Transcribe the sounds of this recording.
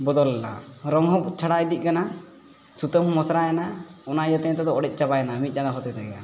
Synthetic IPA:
bɔd̪ɔlːa̰ɾɔŋɦɔbut͡ʃʰaɽajd̪ic̪̚kana | sut̪əmɦɔmɔsɾajɛnaɔnajət̪ɛɲt̪ɛd̪ɔɔɽɛc̪̚ˀt͡ʃabajnamit̪̚t͡ʃanaɦɔt̪ɛt̪ɛɡa

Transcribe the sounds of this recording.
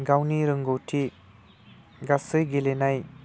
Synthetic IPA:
ɡawniɾɯŋɡowtʰi | ɡasɯjɡelenaj

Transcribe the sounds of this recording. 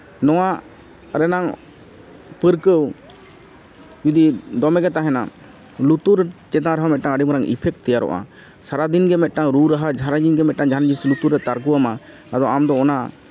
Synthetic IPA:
nɔwa | ɾɛnaŋ | pəɾkəw | d͡ʒud̪id̪ɔmɛɡɛt̪aɦɛna̰ | lut̪uɾɛt͡ʃɛt̪ãɾaɦamɛt̪̚ʈaŋəɖimɾaŋḭpʰɛk̚t̪ɛjaɾɔ̰ʔa̰ | saɾad̪inɡɛmɛt̪̚ˀʈaŋɾuɾaɦad͡ʒʱaɾad͡ʒinɡɛmɛt̪̚ˀʈaŋd͡ʒaɾad͡ʒislut̪uɾɛt̪aɾkuwama | ad̪ɔamd̪ɔːna

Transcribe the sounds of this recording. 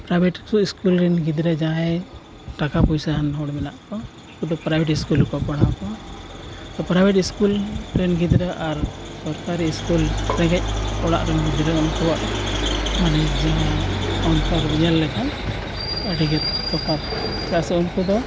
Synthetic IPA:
pɾajbʱɛʈsuiskulɾɛnɡid̪ɾɛd͡ʒãɛ | ʈakapɔjsaɦanɦɔɽmɛnaʔkɔ | kud̪ɔpɾajbʱɛʈiskulkɔpɔɽ̃akɔ | t̪ɔpɾajbʱɛʈiskulɾɛnɡid̪ɾəʔaɾsɔɾkaɾiːskulsɛ̃ɡɛc̚ɔɽa̰ʔɾɛnɡid̪ɾəɔnkuwaʔ | manɛd͡ʒaɦɔnt̪ɔɾiɲalːɛkan | ɛɖiɡɛt̪̚kɔkʰat | t̪ɛasɛunkud̪ɔ

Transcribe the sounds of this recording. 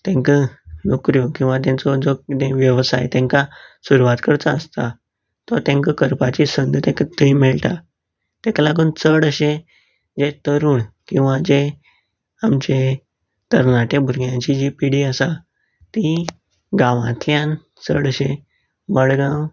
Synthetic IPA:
t̪ɛ̃ŋkənokɾjokĩw̃ʋat̪̬jãt͡sɔd͡zɔt̪ẽʋjəʋsa̰jt̪jɛ̃ŋkasuɾuʋat̪kəɽt͡saəst̪a | t̪ɔɾt̪ɛ̃ŋkəkəɾpat͡ɕisənd̪ʱt̪ɛ̃ŋkət̪əimeɭʈ̪a | t̪ẽklaɡ̬uːnt͡səɽəɕẽ | d͡ʑet̪əɾuːɳkĩw̃ʋad͡ʑe | amt͡ɕe | t̪əɾnaʈebʱuɾɡjãt͡ɕid͡ʑipiɽiəsa | t̪i | ɡãʋã̰t̪ljãn | t͡səɽəɕẽ | məɽɡãw

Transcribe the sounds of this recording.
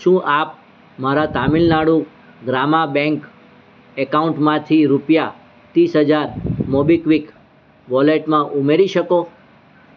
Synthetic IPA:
ʃũːʔap̚ | maɾat̪amilnaɽũ | ɡɾamabɛ̃ŋk | ɛkauɳʈmãt̪ʰiɾupja | t̪isɦəd͡ʒaɾmɔbikʋik | ʋɔleʈmãʔumeɾiʃəko

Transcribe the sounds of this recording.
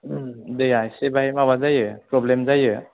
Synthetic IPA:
dɯjajsebaɦemaβazajɯpɾɔblemzajɯ

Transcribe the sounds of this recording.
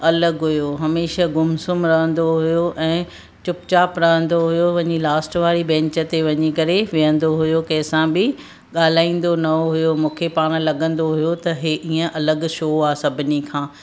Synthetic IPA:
ɐləɡɦʊjoɦɐmeːʃaɡʊmsʊmɾɐɦə̃nd̪oɦʊjoʔɛ̃ː | t͡ɕʊpt͡ɕaːpɾɐɦə̃n̆d̪oɦʊjoʋɐɲilaːsʈʋaːɾibɛ̃ːɲt͡ɕə̆t̪eʋɐɲikɐɾeʋijə̃nd̪oɦʊjokɐːsãbɪ | ɠaːl̤aːĩːn̆d̪onɐoɦʊjomũːkʰepaːɽ̃lɐɡə̃n̆d̪oɦʊjot̪ɐɦeʔiə̃ʔɐləɡʃoːaːsɐbʱɪnikʰãː

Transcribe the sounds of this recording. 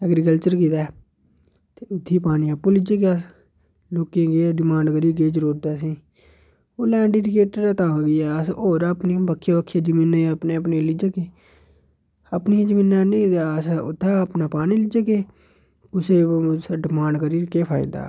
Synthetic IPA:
əɡɾiːkəlt͡ʃəɾkiːt̪aː | t̪eːɪt̪ʰːiːpaːnĩːəpːuːlɪd͡ʒeːɡeas | loːkẽːɡeːɖɪmãːɳɖkəɾiːɡ̬eːd͡ʒɾoːɾd̪aːsĩː | oːlɛ̃ːɖiːɖɪkeːʈəɾat̪ãːɡɪːɛːəsoːɾaːpniːbəkʰːeːəkʰːeːd͡ʒəmĩːnaːəpneːəpneːlɪd͡ʒaːkeː | əpnid͡ʒəmĩːnːanĩːt̪aəsʊt̪ʰːaːəpnaːpaːniːlɪd͡ʒaːkeː | kʊseːɖɪmãːɳɖkəɾiːkeːpʰaːɪ̰̃d̪a̰ː

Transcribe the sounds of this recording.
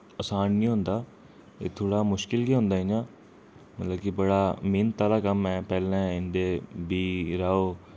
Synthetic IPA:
əsaːnniːɦʊ̃nd̪aː | ḛːt̪ʰoːɽaːmʊʃkɪlɡiːɦʊ̃nd̪aːɦiɲãː | mət̪ləbkɪbəɽaːmɪːnt̪aːlaːkəmɛ̃ːpɛːlɛ̃ːɪnd̪eːbiːɾaːoː

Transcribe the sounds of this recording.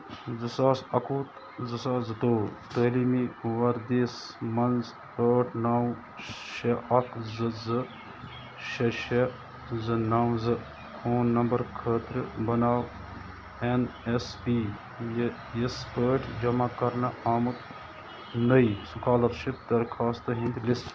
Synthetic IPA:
zɨsaːsɐkuːt̪ | zɨsaːzɨt̪oːt̪əːlimiʋɐɾd̪eːsmɐnz | əːʈʰnaːw | ʃɐʔɐkzɨzɨ | ʃɐʃɐ | zɨnaːwzɨ | kʰoːnːɐmbɐɾkʰəːt̪ɾɨbɐnaːw | enespiː | j | ispəːʈʰd͡ʒɐmakɐɾnɐʔaːmɨt̪ | nɐisukʰaːlɐt̪ʃip̚d̪ɐɾkʰaːst̪ɨɦĩnd̪lis

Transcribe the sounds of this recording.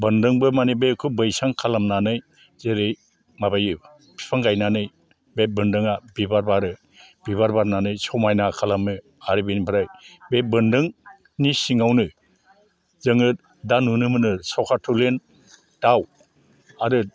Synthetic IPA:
bɯndɯŋbɯmanibekʰɯbɯjsaŋkʰalamnanɯj | zeɾɯj | mabajɯb | pʰi̥pʰaŋɡajnanɯj | bebɯndɯŋabibaɾbaɾɯ | b̥iβaɾbaɾnanɯjsɔwmajnakʰalamnɯ | aɾibenibʰaɾajbebɯndɯŋ | nisiŋawnɯ | zɯŋɯt | danunɯmɯnɯsawkʰatʰulen | taw | aɾɯ

